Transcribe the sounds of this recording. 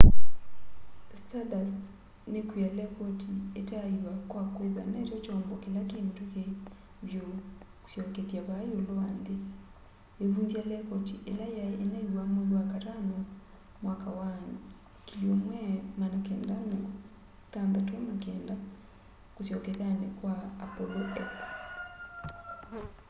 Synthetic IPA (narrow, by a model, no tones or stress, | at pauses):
stadast | nekwialɛkɔtʰietaiwakwakweðanatɔt͡ʃɔːmbɔkelakenteke | βjo | ku̥sjɔkeðjaβajoloaːnde | eβuːnzjialɛkɔtiʔelajaʔenaiwamoðwakatanɔ | mwakawane | kiliomwɛmanakɛːndanɔ | tand̪atwamakɛːnda | kosjɔkɛðanɛkwaːpɔlɔɛks